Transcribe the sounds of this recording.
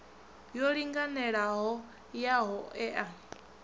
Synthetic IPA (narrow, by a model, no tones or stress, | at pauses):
jɔɺiŋɡanɛɺaɦɔ | jaɦɔɛʔa